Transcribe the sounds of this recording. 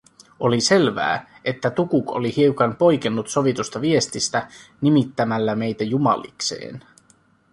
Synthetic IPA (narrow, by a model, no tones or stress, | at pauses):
o̞lise̞lʋæ̰ː | e̞t̪ːæt̪ukuko̰lihiukɑnpo̞jkenːut̪so̞ʋit̪ust̪ɑʋie̞st̪ist̪ænimit̪ːæmælːæme̞jt̪æjumɑ̰lḭkse̞̰ːn